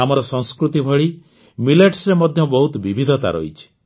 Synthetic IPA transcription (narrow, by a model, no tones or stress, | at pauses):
amɔɾɔsɔŋskɾut̪ibʱɔɭi | mileʈsɾemɔd̪ʱjɔbɔɦut̪ɔbibʱid̪ʱɔt̪a̰ɾɔ̰it͡ʃʰi̥